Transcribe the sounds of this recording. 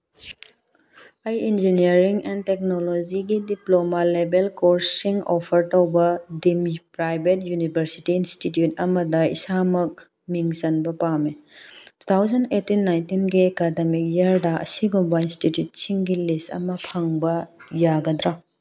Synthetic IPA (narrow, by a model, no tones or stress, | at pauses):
ɐjind͡ʒiniɐɾiŋentek̚nolod͡ʒiɡidiplomalebelkoɾsiŋopʰɐɾtɐwbɐdimpɾajbʱetjunibʱɐɾsi̥tiːnstitjutɐmɐdɐḭsamɐk̚ | miŋzɐnbɐpametu̥t̪ʰawzɐnetinːajntinɡiekademik̚jɐɾdɐʔɐ̰siɡubɐinstitjut̚siŋɡilistɐ̰mɐpʰɐŋbɐjaɡɐd̪ɾa